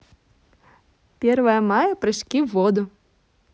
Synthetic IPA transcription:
pʲervɐjɐmajɐpɾɐʃkʲivɔd̪ʊ

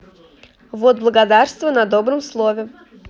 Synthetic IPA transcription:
vot̪̚blˠəɡɐd̪arst̪vənɐd̪obɾɨmslˠovʲɪ

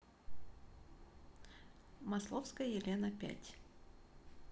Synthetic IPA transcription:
mɐslˠofskəjəjɪlʲenəpʲæ̰tʲ

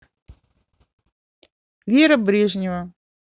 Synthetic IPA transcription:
vʲeɾəbɾʲeʐnʲɪvə

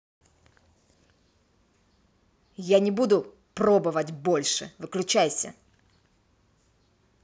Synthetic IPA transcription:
janʲɪbud̪ʊ | pro̞bɨvətʲbo̞lʲʂɨ̰vɨklʲʉt͡ɕæjsʲə̰

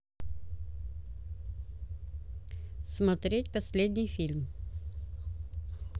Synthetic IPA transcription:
smɐt̪ɾʲetʲpɐsʲlʲed̪ʲnʲɪjfʲilʲm

